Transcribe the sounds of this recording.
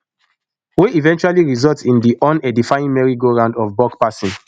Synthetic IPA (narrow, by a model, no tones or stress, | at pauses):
weivɛ̃nt͡ʃualiɹizɔltsĩndiʔɔ̃nɛdifajĩnmɛɹiɡoɹãʊ̃ndɔfbɔkpasĩn